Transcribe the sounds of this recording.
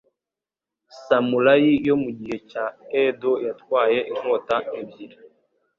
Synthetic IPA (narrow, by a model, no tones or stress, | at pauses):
samulajijomuɟihɛt͡ʃaɛdɔjatwajɛʔiŋ̥ɔtaebjiɾa